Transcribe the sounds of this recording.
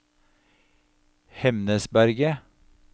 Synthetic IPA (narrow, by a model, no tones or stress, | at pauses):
hɛmnəsbæɾɡə